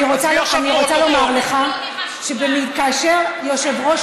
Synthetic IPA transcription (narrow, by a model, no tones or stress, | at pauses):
iʁoaaniʁo̞t͡salo̞maʁle̞χa | ʃebemiitkaːʃe̞ʁjo̞ʃe̞vʁo̞ʃ